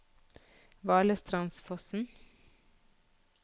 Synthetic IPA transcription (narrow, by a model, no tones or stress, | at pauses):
ʋɑːɭəst̪ʰɾɑnsfɔsn̩